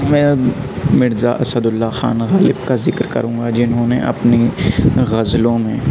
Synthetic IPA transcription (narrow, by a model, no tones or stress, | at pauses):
mɛ̃ː | mɪɾza̰ʔɐsəd̪ʊlːaxa̰ːnɣaːlɪbkazɪkɾkɐ̰ɾũːɡad͡ʒɪnɦõːnẽʔɐ̰pneɣɐzlõmẽː